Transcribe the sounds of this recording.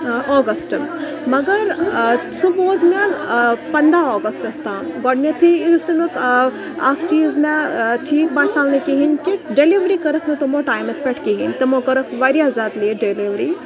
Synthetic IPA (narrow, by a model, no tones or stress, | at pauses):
ɔːɡɐsʈ | mɐɡɐɾsuboːt̪mɐlpɐnd̪aɔːɡɐsʈɐst̪aːmɡɔɖmʲɐt̪ʰiist̪ɐnuk | akʰt͡ʃiːzmẽʈʰiːk̚baːsaːʋnekiɦinkiɖeliʋɾikɐɾɐkʰmet̪omoʈaːjmespeʈʰkiɦint̪ɐmokɐɾɐkʰʋaɾiɦɐzaːt̪liɖeliʋɾiː